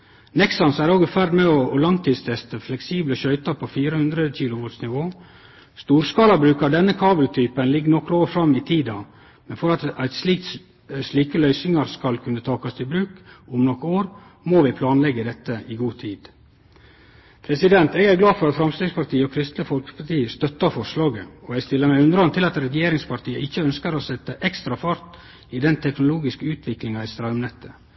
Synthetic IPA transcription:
nɛksɑnsæɾoːɡfæɾd̪mɛɔːlɑŋt̪ʰiːd̪st̪ʰɛst̪əflɛksiːbləʃœʏt̪ɑɾpʰofiːɾəhʉnd̪ɾəc͡çiːlʊʋɔt̪snɪʋoː | st̪uːɾskɑːlɑbɾʉːkɑd̪ɛnːəkʰɑːbəlt̪ʰyːpənlɪɡːnɔkːɾoːɾfɾɑmːɪt̪ʰiːd̪ɑ | mɛnfɔɾɑt̪æɪt̪sit̪ | sliːkəlœʏsɪŋɑɾskɑlkʰʉnːət̪ʰɑːkɑst̪ʰɪbɾʉːkʊmnɔkːoːɾ | moːʋɪpʰlɑːnlɛɡːəd̪ɛt̪ːəɪɡuːt̪ʰiːd̪̥ | pʰɾɛsɪd̪ɛnt̪ɛːɡæɾɡlɑːfɔɾɑt̪fɾɑmst̪iːɡspɑɾʈ̪ʰiːəɔkʰɾɪst̪ləfɔlkə̥pʰɑt̪iːəst̪œt̪ːɑɾfɔʂlɑːɡəɔɛɡst̪ɪlːəɾmæɪʉnɾɑnt̪ʰɪlɑt̪ɾɛjeːɾɪŋspɑɾʈ̪iːəʔɪçːəœnskəɾɔsɛt̪ːəʔɛkst̪ɾɑfɑɾt̪ | id̪ɛnt̪ʰɛknʊluːɡɪskəʉːt̪ʰʋɪklɪŋɑɪst̪ɾɑmnɛt̪ːə

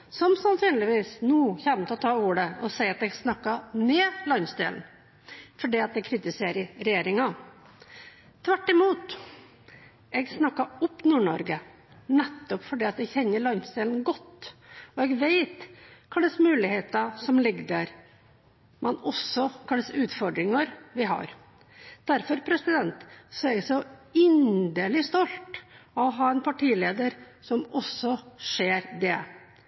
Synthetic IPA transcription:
sɔmsɑnsyːnlɪʋiːsnuːçɛnt̪ɔt̪ʰɑːuːɽəɔsæɪɑt̪ɛɡsnɑkːɑneːlɑnsd̪ḛːln̩ | fɔɖiːɑt̪̚d̪ɛɡkʰɾɪt̪ɪseːɾəɾɛjeːɾɪŋɑ | t̪ʰʋæʈːɪmuːt̪ | ɛɡsnɑkːɑɔpnuːɳɔɾɡə | nɛt̪ːɔpfɔɖiːɑt̪d̪ɛçɛnːəɭɑnsd̪eːlnɡɔt̪ːɔɛɡʋeɪt̪kʰɑlːəsmʉːlɪheːt̪ɑsɔmlɪɡːd̪æɾ | mʔɛnɔsːɔkʰɑlːəsʉːt̪fɔɖɾɪŋɑɾʋɪɦɑ̰ɾ | d̪̥æɾfɔɾpʰɾɛsɪd̪ɛnt̪sɔɛɾɛɡsɔɪnd̪əlɪst̪ɔlt̪ɔɦɑːɛnpʰɑʈiːleːd̪əɾ | sɔmɔsːɔʂeːɾd̪ɛ

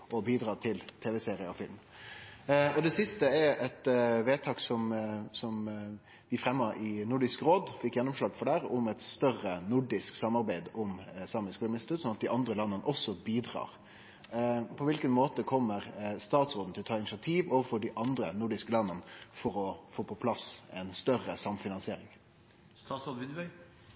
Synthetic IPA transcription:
ɔbiːd̪ɾɑːt̪ʰɪlt̪ʰeːʋəseːɾɪəɔfɪlm | ɔd̪ɛsɪst̪əɛɾɛt̪ʋeːt̪ʰɑːksɔmsɔm | ʋɪfɾɛmːəɾɪnʊɖɪskɾoːd̪fɪkːjɛnːʊmʂɭɑːɡfɔɖæːɾʊmɛt̪st̪œrənʊɖɪsksɑmɑɾbæɪd̪ʊmsɑːmənskːlmnɪsɪt̪ʉt̪sɔnɑt̪̚d̪ɪʔɑnd̪ɾəlɑnːənəʔɔsːɔbiːd̪ʁɑ̰ːɾ | pʰɔʋɪlkənmoːt̪əkʰɔmːəʁst̪ɑːt̪sʁoːd̪n̩t̪ʰɪlt̪ʰɑːɪnɪsɪɑt̪ʰiːʋɔʋəfɔɖɪʔɑnd̪ɾənʊɖɪskəlɑnːənfɔɾɔfoːpʰɔpʰlɑsɛnst̪œrəsɑmfɪnɑnsɪeːɾɪŋ | st̪ɑːt̪sʁod̪ʋɪnʋœʏ

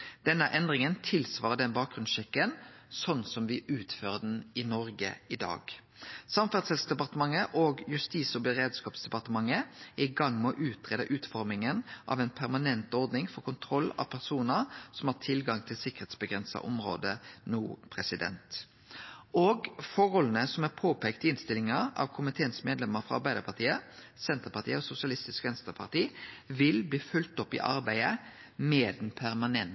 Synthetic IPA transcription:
d̪̥ɛnːəʔɛnd̪ʁɪŋənt̪ʰɪlsʋɑːʁəd̪ɛnbɑːk̚ɡʁʉnsʃɛkːənsɔnsɔmʋɪʔʉːt̪føːʁəd̪ɛn̩ɪnɔɾɡə̰ɪd̪ɑ̰ːɡ̥ | sɑmfæd̪sɛlsd̪ɛpɑʁt̪əmɑŋːəʔoːɡjʉst̪iːsɔbəʁeːd̪skɑːpsd̪ɛpɑʁt̪əmɑŋːəæɪɡɑŋmɛɔʔʉːt̪ʰʁeːd̪əʔʉːt̪fɔɾmɪŋənʔɑ̰ʋɛnpʰæʁmɑnɛnt̪ɔɾd̪nɪŋfɔʁkʊnt̪ʰɾɔlːɑ̰ʋpʰæʁsuːnəʁsɔmɑʁt̪ʰɪlɡɑŋt̪ʰɪlsɪkːəʁheːt̪sbəɡʁɛnsɑ̰ʔɔ̰mɾo̰ːd̪ənuːpʰɾɛsɪd̪ɛ̰nt̪ | oːɡfɔɾɔlnəsɔmæɾpʰoːpʰeːkt̪ɪnst̪ɪlɪŋɑɑ̰ʋkʰʊmɪt̪ʰeːənsmeːd̪lɛmːəɾfʁɑ̰ɑɾbæɪd̪əpʰɑʁt̪ʰiːəsɛnt̪əʁpɑt̪iːəɔsʊsɪɑlɪst̪ɪskʋɛnst̪əpʰɑʁt̪iːʋɪlbliːfʉlt̪ɔpːɪ̰ʔɑ̰ɾbæɪə | meːd̪n̩pʰæɾmɑnɛn

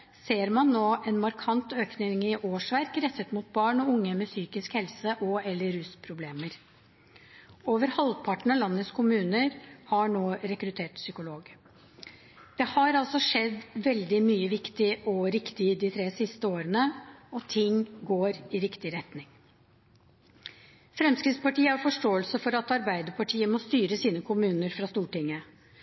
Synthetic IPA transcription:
seːɾmɑnːoːʔɛnmɑɾkʰɑnt̪øːknɪŋɪʔoːʂʋæɾkɾɛt̪ːət̪mut̪̚bɑːɳɔʊŋːəmɛsyːkɪskhɛlsəʔɔɛlːəɾʉspʰɾʊbleːməɾ | oːʋəɾhɑlpʰɑʈːɳ̩ɑlɑnːət̪skʰʊmʉːnəɾhɑɳoːɾɛkɾʉt̪ʰeːʈsʏkʊloːɡ | d̪̥ɛhɑɾɑlsɔʂɛd̪ːʋɛld̪ɪmyːəʋɪkt̪ɪʔɔɾɪkt̪ɪd̪ɪt̪ʰɾeːsɪst̪əoːɾənəɔt̪ʰɪŋɡoːɾɪɾɪkt̪ɪɾɛt̪nɪŋ | fɾɛmskɾɪt̪spɑʈiːəæɾfɔʂʈoːəlsəfɔɾɑt̪ɑɾbæɪd̪əpʰɑʈʰiːəmɔst̪yːɾəsiːnəkʰʊmʉːnəɾfɾɑst̪uːʈɪŋːə

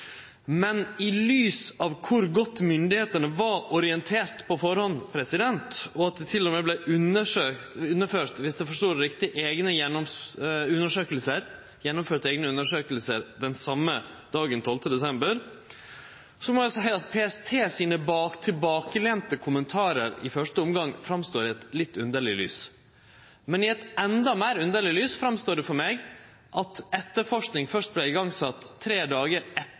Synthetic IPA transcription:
mɛnɪlyːsɑʋkʰʊɾɡɔt̪ːmʏnd̪ɪheːt̪əɳəʋɑɾʔɔɾɪɛnt̪ʰeːɾt̪pʰɔfɔɾhɔnpʰɾɛsɪd̪ɛnt̪ɔɑt̪̚d̪ɛt̪ʰɪlːɔmeːblɛʔʉnəʂøːt̪ʉnːəføːʈ̪ʋɪsd̪ɛfɔʂʈuːɾɾɪkt̪ɪʔeːɡnəjɛnːɔmʉnːəʂøːkəlsəɾ | jɛnːɔmføːʈ̪əeːɡnəʉnːəʂøːkəlsəɾd̪ɛnsɑmːə | d̪̥ɑːɡənt̪ʰɔlt̪əd̪ɛsɛmbəɾ | sɔmɔæsæɪəɑt̪̚pʰeːɛst̪ʰeːsiːnəbɑːt̪ʰɪlbɑːkəleːnt̪əkʰʊmənt̪ʰɑːɾəɾɪ̰fœʂʈəʊmɡɑŋfɾɑmst̪oːɾɪɛt̪lɪt̪ːʉnd̪əɭɪly̰ːs | mɛnɪɛt̪ɛnd̪ɑmeːɾʉnd̪əɭɪlyːsfɾɑmst̪oːɖɛfɔɾmeːɡ | ʔɑt̪ɛt̪ːəɾfɔʂknɪŋfœʂʈ̚blɛɪɡɑŋsɑt̪ʰːɾeːd̪ɑːɡəɾɛ

